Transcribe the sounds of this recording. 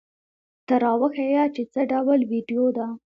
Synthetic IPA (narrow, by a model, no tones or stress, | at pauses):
t̪aɾɑwəxejat͡ʃet͡səɖawəlwiɖijod̪a